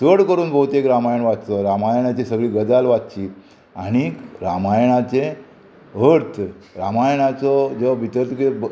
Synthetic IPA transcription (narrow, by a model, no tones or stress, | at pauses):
səɽkəɾuːnbʱəut̪ekɾamajəɳʋat̪t̪ɔɾamajɳ̃at͡ɕesəɡɭiːɡəd͡zalʋat̪̚t͡ɕi | aɽ̃iɾamajɳat͡ɕe | ɦəɾt̪ʰ | ɾamajɳat͡sɔd͡zɔbʱit̪əɾt̪ke